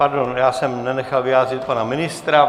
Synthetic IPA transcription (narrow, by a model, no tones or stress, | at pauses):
paɾdonjaːsɛmnɛnɛxalvɪjaːrɪt̪̚panamɪnɪst̪ɾa